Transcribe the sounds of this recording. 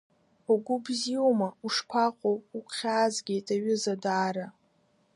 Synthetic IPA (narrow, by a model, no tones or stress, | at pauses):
uɡʷʊbziomauʂkʷʰaqʷʼowuqʷʰχʲaːzɡʲejtʼaɥɪzadaːɾa